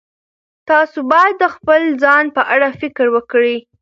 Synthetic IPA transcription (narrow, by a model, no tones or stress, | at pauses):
t̪ɑsobɑjad̪ːəxpəlzɑnpəʔaɽafɪkɾwəkɽi